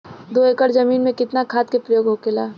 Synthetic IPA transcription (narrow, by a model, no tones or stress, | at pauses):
d̪oekəɽzɐmiːnmẽkɪt̪nakʰaːt̪̚kepɾəjoːɡɦokelaː